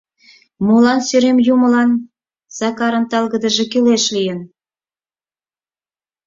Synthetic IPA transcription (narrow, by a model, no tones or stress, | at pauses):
mulɑnsyɾemjumə̆lɑn | z̥ɑkɑɾə̆nt̪ɑlɣə̆d̪ə̆ʒĕkyleʃlijə̆n